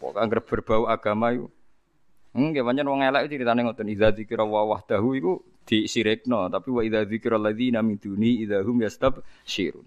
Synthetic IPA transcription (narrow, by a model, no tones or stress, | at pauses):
pɔ̰kaŋɡərb̥ərb̥a̤uaɡ̥a̤maikṵ | kewaɲd͡ʒanwɔŋelɛʔkut͡ʃiɾit̪anɪŋɔnt̪ʊniðaðikɾawawaht̪aɦuiku | d̪̥isiɾɪk̚nɔt̪apiwaʔiðaðikɪɾalːaðinamind̪̥unihiðaɦʊmjast̪abʃiɾṵn